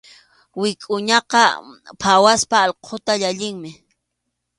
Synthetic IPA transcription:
wɪkʼʊɲɑqɑpʰawaspaːʎqʰot̪aʎaʎɪŋmɪ

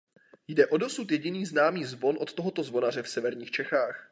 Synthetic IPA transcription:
jdɛʔo̞do̞sut̪jɛɟɪniːznaːmiːzvo̞nʔo̞t̪t̪o̞ɦot̪o̞zvo̞nar̝ɛfsɛvɛɾɲiːxt͡ʃɛxaːx

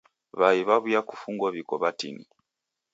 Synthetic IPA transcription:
βaiβaβujaku̥fuŋɡɔβikɔβatḭni

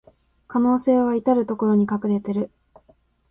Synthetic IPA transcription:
kano̞ːse̞ːβ̞ait̪aɾɯ̟t̪o̞ko̞ɾo̞ɲ̟ikakɯ̟ɾe̞t̪e̞ɾɯ̟

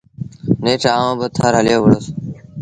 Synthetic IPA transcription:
neːʈʰaːʋãːbət̪ʰaːɾɦəljoːʋəɽoːs

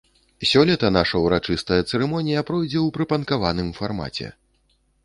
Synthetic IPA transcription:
sʲɔlʲit̪ɐnaʂɐwɾat͡ʂɨst̪ɐjɐt̪sɛɾɛmɔnʲijɐpɾɔjd͡zʲɛwpɾɨpɐnkavanɨmfarma̰t͡sʲɛ̰

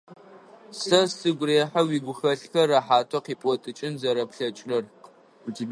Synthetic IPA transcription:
sɐsɨɡʷreːħawiːɡʷʊxɐɬxɐɾaħaːtʰɐqiːpʼɔtʼɨt͡ʃʼɪnzɐɾɐpɬɐt͡ʃʼrɐr

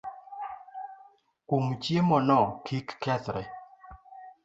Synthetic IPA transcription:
kumt͡ʃjemɔnɔkʰikːɛt̪ɾɛ

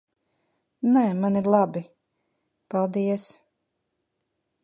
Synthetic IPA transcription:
nɛːmaniɾlˠabi | palˠd̪iɛs

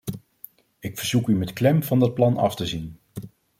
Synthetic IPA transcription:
ɪkfəɹz̥ukymɛtklɛmv̥ɑndɑt̚plɑnɑ̰ftəzin

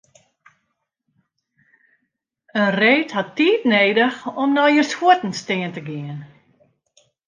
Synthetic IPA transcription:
ənreːtɦatːiːtneːdəxɔmnɔjərshuətn̩stɪːəntəɡɪən

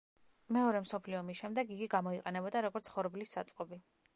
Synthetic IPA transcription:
mɛɔɾɛmsɔpʰliɔmiʃɛmd̪ɛɡɡiɡiɡamɔiqʼɛnɛbɔd̪aɾɔɡɔɾt̪sʰχɔɾblisːa̰t̪sʼqʼɔbi

